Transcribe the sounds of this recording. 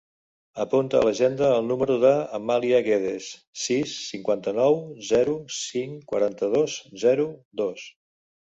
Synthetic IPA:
əpunt̪ə̰ə̰ləʒend̪əːlˠnuməɾuðəːmaliəɣeðesː | isːiŋkwant̪ənɔwzɛɾusiŋkwə̰ɾant̪əð̞oszɛɾud̪os

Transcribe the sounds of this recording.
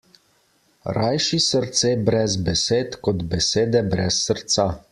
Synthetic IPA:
ɾajʃisəɾt̪seːbɾɛzbɛseːt̪kɔd̪bɛseːd̪ɛbɾɛsːəɾt̪sa

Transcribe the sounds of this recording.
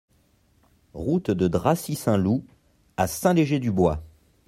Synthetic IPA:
ʁut̪d̪əd̪ʁasisɛ̃lu | asɛ̃leʒed̪ybwa

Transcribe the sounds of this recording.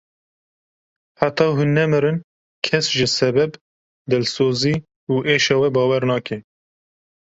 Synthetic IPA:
ħat̪ɑːɦunːɛmɨɾɨn | kʰɛsʒɨsɛbɛb | d̪ɨlsoːziː | uːʔeːʃɑwɛbɑːwɛɾnɑːkɛ

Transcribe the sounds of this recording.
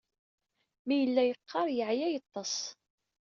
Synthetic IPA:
mijəlːæjəqʰːɑɾˤjəʕjæjət̪ˤːɑsˤ

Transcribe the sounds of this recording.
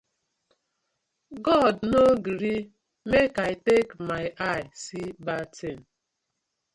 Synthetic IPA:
ɡɔdnoɡiɾi | mekaɪtekmaɪʔaɪsibatʰen̩

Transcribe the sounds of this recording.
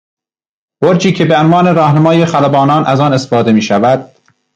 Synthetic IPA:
boɾt͡ʃʰiːcʰebeonvɑːne̞ɾɒːhnæmɒːjexælæbɒːnɒːnʔæzɒːnesfɒːd̪emiːʃævæd̪̥̚

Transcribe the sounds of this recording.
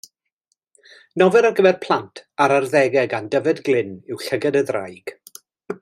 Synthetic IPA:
nɔvɛɾaɡəvɛrpʰl̥ˠantʰaɾarðɛɡɛɡandəvɛdɡlˠɪnɪwɬəɡɛdəðra̰jɡ̥

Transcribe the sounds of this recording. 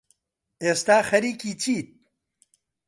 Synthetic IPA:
eːst̪aːxɐɾiːkiːt͡ʃʰiːt̪̚

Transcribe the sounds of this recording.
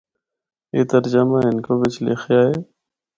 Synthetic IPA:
ḛːt̪əɾd͡ʒəmãːɦɪnkoːʋɪt͡ʃlḛːxʰjaːɦeː

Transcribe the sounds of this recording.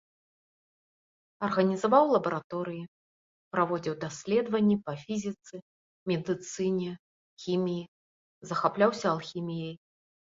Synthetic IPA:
ɐrɣɐnʲizavawlˠɐbɐɾat̪ɔɾɨji | pɾavɔd͡zʲiwd̪asʲlʲɛd̪vɐnʲːɛpɐfʲizʲit̪sɨ | mʲɛd̪ɨt̪sɨnʲɛ | xʲimʲiji | zɐxaplʲawsʲɐːlˠxʲimʲijɐj

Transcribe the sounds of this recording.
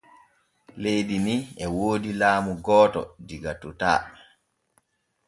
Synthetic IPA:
lejdimiɛwoːdilaːmuɡɔːtɔ̰diɡatːuta̰ː

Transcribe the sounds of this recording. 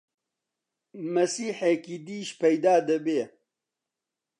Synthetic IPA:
mɐsiːħekid̪iːʃpɐjd̪aːd̪ɐbeː

